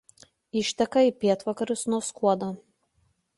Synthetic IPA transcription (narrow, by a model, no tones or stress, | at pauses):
ɪʃʲt̪ʲɛkɐipʲiɛt̪ʋɐkɐɾʊsnuɔskuɔd̪oː